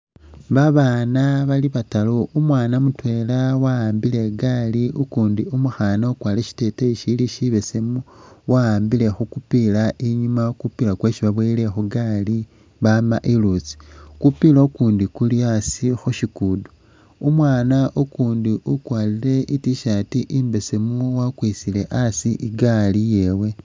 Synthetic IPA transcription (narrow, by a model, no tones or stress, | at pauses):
βaβaːnaβaliβataloumwaːnamutwe̞lawaaːmbile̞ɡaliukuːndiumuxanaokwaːleʃi̥te̞teiʃiliʃiβese̞muwaaːmbile̞xukupilaʔiɲumakupilakwe̞ːʃiβaβwele̞xuɡali | βamaʔilut͡si̥kupilaokuːndikuliasixuʃikudu̥ | umwaːnaʔokuːndiukwaːliɾe̞ʔitiʃatiʔiːmbe̞se̞muwakwisile̞ʔasiʔiɡalije̞we̞